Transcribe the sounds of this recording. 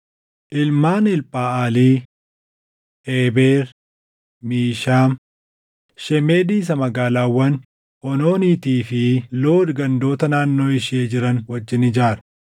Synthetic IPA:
ʔɪlmaːnɪlpʼaːʔaːliː | eːbeːɾ | miːʃaːm | ʃɛmeːd̪iːs̬ɐmɐɡaːlaːwːɐn | ʔɔno̞ːniːt̪iːfɪlo̞ːdɡɐnd̪o̞ːt̪ɐnaːnːo̞ːɪʃɪeːd͡ʒɪɾɐnwɐd͡ʒːɪnɪd͡ʒaːɾɐ

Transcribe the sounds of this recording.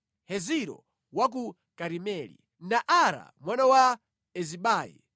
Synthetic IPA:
hɛziɾɔ̰ | wak̬u | kaɾimɛlḭ | naʔaɾa̰mwanawa | ɛziɓaːjḭ

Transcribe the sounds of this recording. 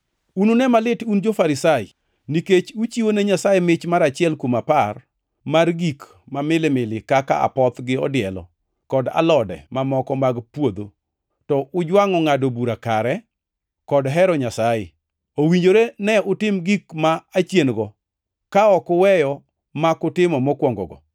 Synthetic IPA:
unonɛmalɪtund͡ʒofaɾɪsajɪ̰ | niket͡ʃut͡ʃiwonɛɲasajɛmɪt͡ʃmaɾat͡ʃɪɛlkwomapar | marɡik | mamɪlɪmɪlɪkaka̰a̰pɔt̪ɡɪɔ̰dɪɛlɔ̰ | kɔda̰lɔdɛ̰mamɔkɔmaɡpwod̪o | tɔʊd͡ʒwaŋɔŋadobuɾakaɾɛ | kɔdɦɛɾɔɲasaje | owiɲd͡ʒoɾenɛʊtɪmɡikmaːt͡ʃjenɡɔ | kaɔkʊwɛjɔ | makʊtɪmɔmɔkwɔŋɡɔ̰ɡɔ̰

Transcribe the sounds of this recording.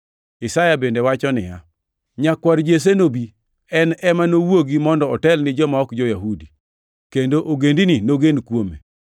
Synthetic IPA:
ɪsajabendewat͡ʃɔnɪ̰ja̰ | ɲakwaɾd͡ʒes̬enobi | ɛnɛmanowoɡimɔndɔɔtɛlnɪd͡ʒɔmaɔkd͡ʒɔjaɦudi | kendoʔoɡendininoɡenkwomḛ

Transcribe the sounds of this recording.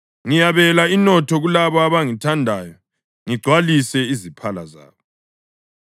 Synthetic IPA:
ŋijaβɛlainɔtʰɔɣulaβaːβaŋitʰandʱajɔ | ŋiɡ͡ǀʱwalisɛizipʰala̰za̰ːβɔ

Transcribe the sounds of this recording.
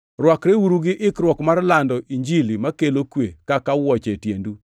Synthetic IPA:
rwakɾewuɾuɡɪʔɪkɾwɔkmarlandɔiɲd͡ʒilimakelokwekakawɔt͡ʃetjendu

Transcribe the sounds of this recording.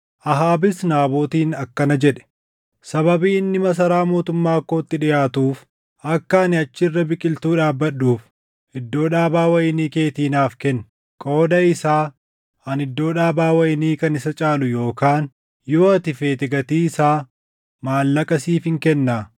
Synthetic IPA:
ʔɐɦaːbɪsnaːboːt̪iːnɐkːɐnɐd͡ʒɛᶑɛ̥ | sɐbɐbiːɪnːɪmɐs̬ɐɾaːmo̞ːt̪ʊmːaːkːo̞ːt̪ːɪᶑɪjaːt̪uːf | ɐkːɐːnɪɐt͡ʃːɪɪrːɐbɪkʼɪlt̪uːᶑaːbːɐɗuːf | ɪd̪ːo̞ːᶑaːbaːwɐjɪniːke̞ːt̪iːnaːfkɛnː | kʼo̞ːd̪ɐɪsaː | ɐnɪd̪ːo̞ːᶑaːbaːwɐjɪniːkɐnɪsɐt͡ʃʼaːlʊjo̞ːkaːn | joːɐt̪ɪfe̞ːt̪ɪɡɐt̪iːɪsaː | maːlːɐkʼɐsiːfɪŋkɛnːaː

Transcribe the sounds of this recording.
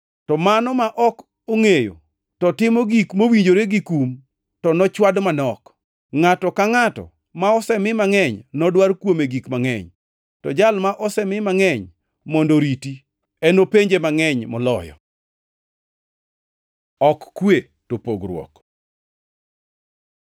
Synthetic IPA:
tɔmanɔmaʔɔk | oŋejo̰ | tɔtɪmɔɡikmowiɲd͡ʒoɾeɡikum | tɔnɔt͡ʃwadmanɔk | ŋatɔkaŋatɔ̰ | maɔsɛmɪmaŋɛɲnɔdwarkwomeɡikmaŋɛ̰ɲ | tɔd͡ʒalmaʔɔsɛmɪmaŋɛɲ | mɔndoɾiti | ɛnopeɲd͡ʒemaŋɛɲmɔlɔjɔ̰ | ɔkːwe | topoɡɾwɔ̰k

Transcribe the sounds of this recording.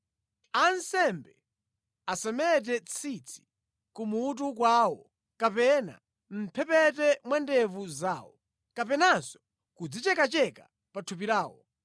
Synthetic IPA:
ansɛmbɛ | asɛmɛt̬ɛt͡sʰit͡sʰi̥ | kumuːt̬uk̬waːwɔ | kapɛna̰ | m̩pʰɛpɛtɛmwɛndɛvuzaːwɔ | kapɛnansɔ̥ | kud͡zit͡ʃɛkat͡ʃɛka | patʰup̬iɾaːwɔ̰

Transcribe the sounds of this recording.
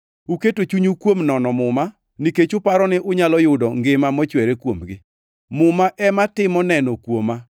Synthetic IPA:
uketot͡ʃuɲukwomnɔnɔmʊma | niket͡ʃʊpaɾɔnɪʔʊɲalɔjʊdɔŋɡɪmamɔt͡ʃweɾekwomɡɪ | mʊmaʔɛmatɪmɔnɛnɔkwoma

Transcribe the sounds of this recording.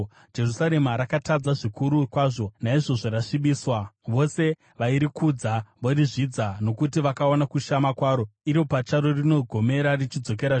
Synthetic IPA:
d͡ʒe̞rusaɾe̞maɾakatad͡zaʐikuɾukwaːʐo̞naiʐo̞ʐoɾaʂiɓiːswaʋo̞se̞ | ʋaiɾikud͡zaʋoriʐid͡zano̞kut̬iʋakaonakuʃamakwaːɾo̞iɾopat͡ʃaɾo̞rino̞ɡʱo̞me̞ɾarit͡ʃid͡zo̞k̬eɾa

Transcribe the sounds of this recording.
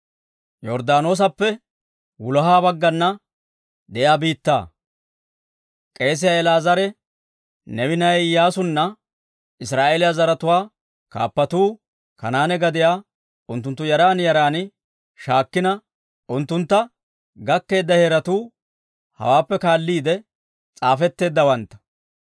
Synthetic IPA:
jɔɾd̪aːno̞ːs̬ɐpːɛ | wʊlɐɦaːbɐɡːɐnːɐ | d̪ɛʔjaːbiːt̪ːa̰ː | kʼe̞ːs̬ɪjaɛlaːzɐɾɛ | nɛwɪnɐjjaːsʊnːɐ | ɪsɾaːʔeːlɪjazɐɾɐt̪ʊwaː | ka̰ːpːɐt̪uː | kɐnaːnɛɡɐd̪ɪjaː | ʊnt̪ːʊnt̪ːʊjɐɾaːnjɐɾaːnɪ | ʃaːkːɪnɐ | ʔʊnt̪ːʊnt̪ːɐ | ɡɐkːe̞ːd̪ːɐheːɾɐt̪uː | hɐ̰waːpːɛkaːlːiːd̪ɛ | t͡sʼaːfɛt̪ːe̞ːd̪ːɐwɐnt̪ːɐ̥

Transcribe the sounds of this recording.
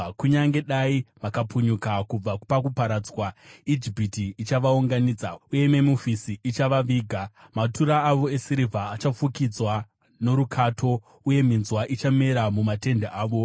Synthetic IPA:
kuɲaŋɡe̞ɗaiʋakapuɲukakub͡vapakupaɾad͡zwaid͡ʒipitiːt͡ʃaʋauŋɡaniːd͡zauje̞memufisiit͡ʃaʋaʋiːɡʱamatuɾaːʋo̞e̞siɾivʱaːt͡ʃafukid͡zwa | noɾukʰatʰo̞ | uje̞minzwaʔit͡ʃame̞ɾamumate̞ndeaːʋo̞

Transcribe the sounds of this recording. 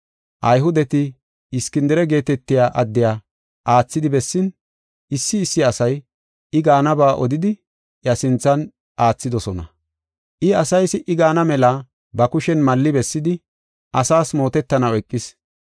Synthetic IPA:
ʔɐjɦʊd̪ɛt̪ɪ | ɪskɪnd̪ɪɾɛɡe̞ːt̪ɛt̪ːɪjaːʔɐd̪ːɪjaː | ʔaːt͡sːɪd̪ɪbɛsːɪn | ʔɪsːɪːsːɪɐsɐj | ɪɡaːnɐbaːʔɔd̪ɪd̪ɪ | jɐsɪnt͡sːɐn | ʔaːt͡sːɪd̪ɔsɔnɐ̰ | ʔɪɐsɐjsɪʔɪɡaːnɐmɛlɐ | bɐkʊʃɛnmɐlːɪbɛsːɪd̪ɪ | ʔɐsaːsmo̞ːt̪ɛt̪ːɐnɐwɔjkʼːɪs

